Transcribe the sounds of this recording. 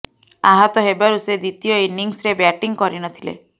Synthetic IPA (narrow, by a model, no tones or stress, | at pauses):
aɦɔt̪ɔɦebaɾused̪it̪ijɔiniŋsɾebjaʈiŋkɔɾinɔt̪ʰilḛ